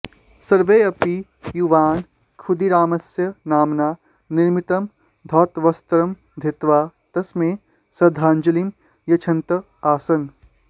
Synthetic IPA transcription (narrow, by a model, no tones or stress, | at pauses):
sɐɾʋeːɐpi | juʋaːn | kʰud̪iɾaːmɐsjɐnaːmnaː | niɾmit̪ɐm | d̪ʱɔːt̪ʋɐst̪ɐɾɐm | d̪ʱet̪ʋaːt̪ɐsmẽː | sɐd̪ʱaːnd͡ʒɐlim | jɐt͡ʃʰɐnt̪ɐ | aːsɐn